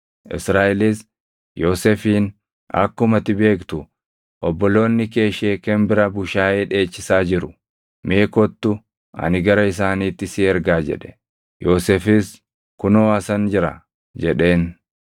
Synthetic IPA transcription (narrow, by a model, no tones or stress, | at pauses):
ʔɪ̰sɾaːʔɛlɪs | jo̞ːsefiːn | ɐ̰kːʊmɐt̪ɪbe̞ːkt̪ʊ | ʔɔbːɔlo̞ːnːɪke̞ːʃeːkɛmbɪɾɐbʊʃaːʔeːᶑe̞ːt͡ʃːɪsaːd͡ʒɪɾʊ | meːkɔt̪ːʊ | ɐ̰nɪɡɐɾɐɪs̬aːniːt̪ːɪsɪɛɾɡaːd͡ʒɛ̰ᶑɛ̥ | jo̞ːsefɪs | kʊnoːɐsɐnd͡ʒɪɾɐ̰ | d͡ʒɛᶑe̞ːn